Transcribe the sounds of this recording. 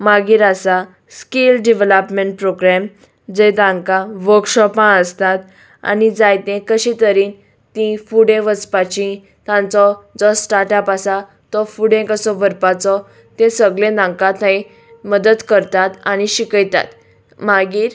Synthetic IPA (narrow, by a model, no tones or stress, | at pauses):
maɡiːɾasa | skelɖiʋeləpmeɳʈ̚pɾoɡɾɛm | d͡zed̪ãŋkãʋəɾkɕɔpãəst̪at̪ | a̰nid͡zajt̪ẽkəɕĩt̪əɾiːn | t̪ĩfuɽẽʋət͡spat͡ɕĩ | t̪ãnt͡sɔd͡zɔsʈaɾʈapasa | t̪ɔfuɽẽkəsɔbʱəɾpat͡sɔ | t̪ẽsəɡlẽnãŋkãt̪nai | məd̪əd̪kəɾt̪at̪aniɕikəjt̪a̰t̪ | maɡiːɾ